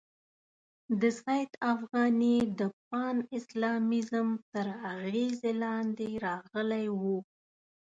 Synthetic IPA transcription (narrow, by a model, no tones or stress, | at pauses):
d̪əzɣajt̪afɣɑnid̪əp̚ɑnɪslɑmizəmt̪əɾaɣezelɑnd̪eɾɑɣəlajwu